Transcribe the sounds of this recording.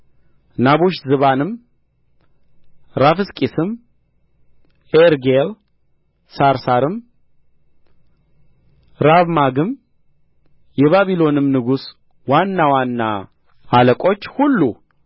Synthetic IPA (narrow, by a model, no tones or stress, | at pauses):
naβoʃzɨβanɨm | ɾafɨskʼisɨm | eɾɡel | saɾsaɾɨm | ɾaβmaɡɨm | jɛβaβilo̞nɨmnɨɡus | wanːawanːa̰ | aləkʼo̞t͡ʃːhulːu